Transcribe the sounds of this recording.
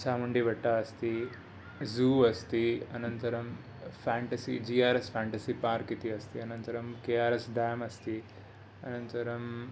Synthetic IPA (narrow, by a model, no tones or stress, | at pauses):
saːmɐɳɖiʋɐʈːaɐst̪i | zuːɐst̪iɐnɐnt̪ɐɾɐm | pʰaːɳʈɐsḭd͡ʒiːaːɾespʰaːɳʈɐsipaːɾkit̪iɐst̪iɐnɐnt̪ɐɾɐmkeːaːɾesɖ̪aːmɐst̪i | ɐnɐnt̪ɐɾɐm